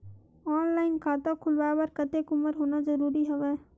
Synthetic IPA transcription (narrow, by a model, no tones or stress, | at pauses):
aːnlaːɪnkʰaːt̪okʰʊlʋaːbəɾkət̪eːkʊməɾɦoːnazəɾuːɾiɦɐʋɛː